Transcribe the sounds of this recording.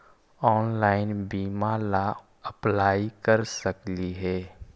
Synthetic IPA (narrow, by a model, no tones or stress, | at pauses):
ɔːnlaːɪnbiːmala | ɐplaːikɐɾsɐkliɦɛː